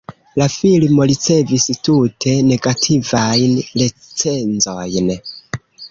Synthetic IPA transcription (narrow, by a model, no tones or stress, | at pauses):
lafilmo̞ɾit͡se̞vistutʰe̞ne̞ɡatʰivajnɾe | t͡se̞nzojn